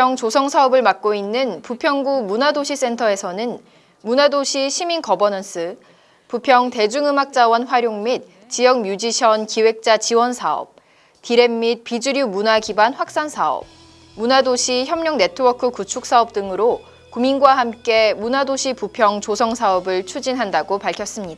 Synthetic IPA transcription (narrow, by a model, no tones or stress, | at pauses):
jʌŋt͡ɕosʰʌŋsʰaʌbɯɭmak̚k͈oinːɯnpupʰjʌŋɡumunadoɕʰis͈e̞ntʰʌe̞sʰʌnɯn | munadoɕʰiɕʰiminkʌbʌnʌns͈ʰɯ | pupʰjʌŋte̞d͡ʑuŋɯmak̚t͡ɕ͈awʌnɸwaɾjoŋmit̚ | t͡ɕijʌk̚mjud͡ʑiɕʰjʌnkiwe̞k̚t͡ɕ͈at͡ɕiwʌnsʰaʌ̰p̚ | tiɾe̞mːit̚pid͡ʑuɾjumunakibanɸwak̚s͈ansʰaʌ̰p̚ | munadoɕʰiçjʌmɲʌŋne̞tʰɯwʌkʰɯkut͡ɕʰuk̚s͈aʌp̚t͈ɯŋɯɾo | kuminɡwaɦamk͈e̞munadoɕʰipupʰjʌŋt͡ɕosʰʌŋsʰaʌbɯɭt͡ɕʰud͡ʑinɦandaɡopaɭkʰjʌs͈ɯmɲidaa